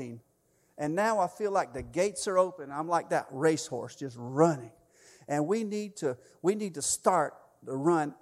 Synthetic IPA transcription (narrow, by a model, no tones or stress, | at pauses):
ĩm | ʔɨ̃nːaʊaɪfilaɪk̚ðɨɡeɪtsə˞oʊpɨ̃nãɪ̃mlaɪk̚ðɨ̰ʔ̚ɹeɪshɔ̰ɹsd̥ʒ̥ʌst̚ɹʌnɪ̃ŋ | ʔɨ̃nwinid̚tʰɨ | winid̚tɨstɑɹt̚ | əɹʌ̃n